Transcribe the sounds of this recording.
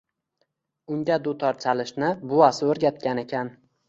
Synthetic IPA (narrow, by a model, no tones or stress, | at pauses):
ʊŋɡʲad̪ʊt̪ʰɒɾt͡ʃʰalɪʃnɪbʊasɪɵɾɡʲat̪̚kʲane̞kʲʰan